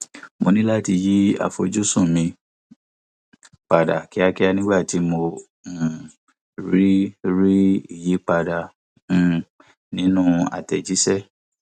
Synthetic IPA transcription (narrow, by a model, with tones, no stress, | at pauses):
mo˧nĩ˦la˦ti˧ji˦a̰˨fo˧d͡ʒu˦sũ˦˨mĩ˧ | k͡pa˨da˨ki˨˦a˦ki˦a˦nĩ˦ɡ͡ba˦˨ti˨˦mõ˧˨ | ɾi˦ɾi˦i˦˨ji˨˦k͡pa˧dã˨ | nĩ˨˦nũ˦a̰˨tɛ˨d͡ʒi˨˦sɛ˦˨